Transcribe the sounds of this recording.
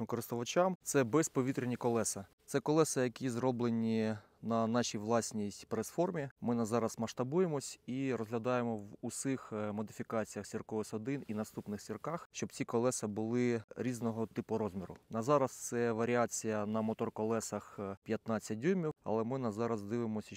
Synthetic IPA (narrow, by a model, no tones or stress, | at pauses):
ʊkɔɾɪst̪ɔʋɐt͡ʃɑmt̪sɛbɛspɔʋʲit̪ɾʲenʲikɔlˠɛsɐsɛkɔlˠɛsɐjɐkʲizrɔblˠenʲi | nɐnɑʃʲijʋlˠɑsʲnʲitʲpɾesfɔrmʲimɪnɐzɑɾɐsmɐʃt̪ɐbujemɔsʲiɾɔzɦlʲɐd̪ɑjemɔʋʊsɪxmɔd̪ɪfʲikɑt͡sʲijɐxsʲirkɔʋɪsɔd̪ɪninɐst̪upnɪxsʲirkɑxʃt͡ʃɔb̚t͡sʲikɔlˠɛsɐbʊlˠɪɾʲiznɔɦɔt̪ɪpʊɾɔzmʲiɾʊ̰nɐzɑɾɐst̪sɛʋɐɾʲiat͡sʲijɐnɐmɔt̪ɔrkɔlˠɛsɐxpʲjɐt̪nɑt͡sʲːɐdʲumʲiwɐ̰lˠɛmɪnɐzɑɾɐzd̪ɪʋɪmɔsʲɐ